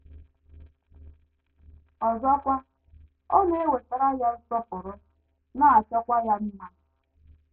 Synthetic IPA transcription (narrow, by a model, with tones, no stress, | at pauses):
ɔ˨zɔ˦kʷa˦ | o˦ne˦e˦we˨ta˨ɾa˦ja˦n̩˦sɔ˦pʊ˨ɾʊ˦ | na˦a˨t͡ʃɔ˦kʷa˦ja˦n̩˦na˦